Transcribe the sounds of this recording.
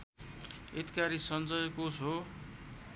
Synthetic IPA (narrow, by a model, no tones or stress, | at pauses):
et̪i̥kaɾisʌnd͡zʌjkosɦo